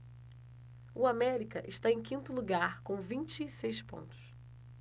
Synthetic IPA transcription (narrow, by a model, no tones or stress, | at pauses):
uamɛɾikɐʔɪʃt̪aẽkĩnt̪ʊluɡaɾkõw̃vĩnt͡ʃiːsejspõ̰nt̪ʊ̥s